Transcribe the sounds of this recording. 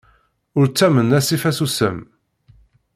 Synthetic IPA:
ʊɾt͡sːæmənæsifæsusə̰m

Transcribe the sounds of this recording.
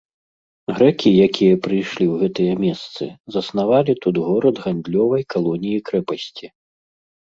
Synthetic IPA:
ɣɾɛkʲijakʲʰijɐpɾɨjʂlʲiwɣɛt̪ɨjɐmʲɛst̪sɨ̰zɐsnavalʲit̪ud̪ɣɔɾɐd̪ɣand̪lʲɔvɐjkalˠɔnʲijikɾɛpɐsʲt͡sʲi

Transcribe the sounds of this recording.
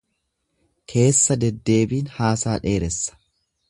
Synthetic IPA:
kʰe̞ːsːɐd̪ɛd̪ːe̞ːbiːnhaːsaːᶑe̞ːɾɛsːɐ̥

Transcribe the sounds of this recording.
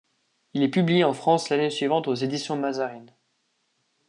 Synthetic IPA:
ilɛpyblijeɑ̃fχɑ̃slanesɥivɑ̃t̪ozed̪isjɔ̃mazaʁin

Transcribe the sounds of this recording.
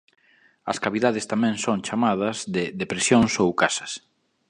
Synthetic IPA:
ɐ̰skaβiðaðɪst̪amɛ̃ŋsoŋt͡ʃamað̞ɐzðɪðepɾesjoŋsowkasɐ̥s

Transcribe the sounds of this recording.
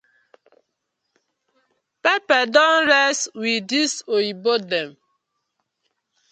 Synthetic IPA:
pɛpɛdɔnɾɛstwidisoibodɛm

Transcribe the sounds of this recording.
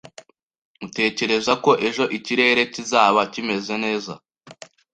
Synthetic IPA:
ute̞ːce̞ɾe̞zako̞ʔe̞ʒo̞ʔiciɾe̞ːɾe̞cizaːβacime̞zene̞ːza̰

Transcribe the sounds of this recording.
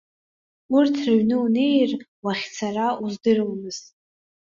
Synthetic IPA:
ʊrtʰrɨɥnɨune̞jrwaχʲt͡sʰarauzdɨrwmɨz̥

